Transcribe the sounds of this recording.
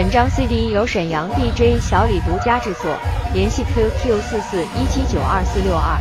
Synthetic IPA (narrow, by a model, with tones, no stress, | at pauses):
ə˨˩nʈ͡ʂɑ˥ŋswi˥˧ɪt̪i˥˧˥jo˧˥ʊʂə˨˩njɑ˧˥ŋt̪i˥˩ʈ͡ʂwe˥ɪɕjɑ˧˥ʊli˨˩t̪u˧˥t͡ɕja˥ʈ͡ʂɻ̩˥˧t͡sʰɤ̰˥˩ljɛ˧˥nɕi˥˧k̪ʰe˥t̪ʰi˥ʊsɹ̩˥˧sɹ̩˥˩i˥t͡ɕʰi˥t͡ɕjo˨˩ʊʔɐ˥˧sɹ̩˥˧ljo˥˧ʊɐ̰˥˩